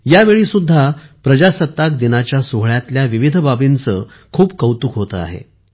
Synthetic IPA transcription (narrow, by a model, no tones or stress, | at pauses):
jaʋeɭiːsud̪ʱːapɾəd͡ʑasət̪ːakd̪inat͡ɕjasuɦɭjat̪ljaʋiʋid̪ʱəbabint͡səː | kʰuːp̚kəwt̪uːkɦot̪ə̰a̰ɦḛ